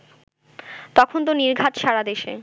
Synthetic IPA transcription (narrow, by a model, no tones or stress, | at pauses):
t̪ɔkʰont̪oniɾɡʱat̪ʃaɾad̪eʃḛ